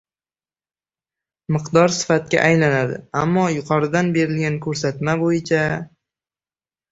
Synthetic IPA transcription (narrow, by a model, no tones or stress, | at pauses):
mɨqd̪ɒɾsɪ̥fat̪̚kʲa̰ʔajlanad̪ɪ̰amːɒjʊqʰɒɾɪd̪anbe̞ɾɪlɡʲankʰɵɾsat̪mabojɪt͡ʃʰa